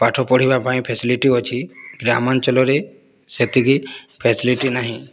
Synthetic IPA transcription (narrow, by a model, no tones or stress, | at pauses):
paʈʰɔpɔɽ̤ibapaĩpʰesiliʈiɔt͡ʃʰiɡɾamant͡ʃɔlɔɾe | set̪iɡipʰesiliʈinaɦĩ